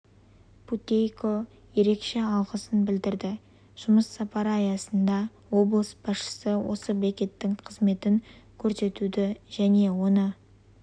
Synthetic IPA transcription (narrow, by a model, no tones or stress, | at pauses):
pʰut̪ʲejko̞ | je̞ɾe̞kʃe̞ɑlˠʁəsənbɪld̪ɪɾd̪ɪ | ʒ̥ʊməsːɑpɑɾɑjɑsənd̪ɑ | wo̞blˠəsbɑsʃə̥səwo̞̰səblekʲe̞t̪ːɪŋqʰəzme̞t̪ɪŋkʲʰɵɾse̞t̪ud̪ɪʒæne̞wo̞nə